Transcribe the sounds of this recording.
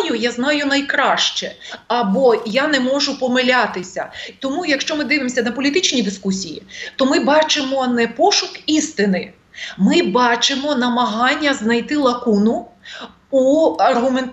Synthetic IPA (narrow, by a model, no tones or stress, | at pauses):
jʊjaznɑjʊnɐjkɾɑʃt͡ʃɛɐbɔjanɛmɔʒʊpɔmelʲat̪ɪsʲɐ̰t̪ɔmujɐkʃt͡ʃɔmɪd̪ɪʋɪmɔsʲɐd̪ɐpɔlʲit̪ɪt͡ʃnʲid̪ɪskusʲijḭt̪ɔmɪbɑt͡ʃɪmɔnɛpɔʃʊkist̪ɪnɪ | mɪbɑt͡ʃɪmɔnɐmɐɦɑnʲːɐznɐjt̪ɪlˠɐkunʊ | uɐrɦʊmen